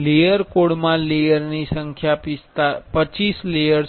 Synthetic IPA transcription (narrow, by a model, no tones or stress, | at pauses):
lejəɾkoɽmãlejəɾnisəŋkʰjapist̪apət͡ʃislejəɾ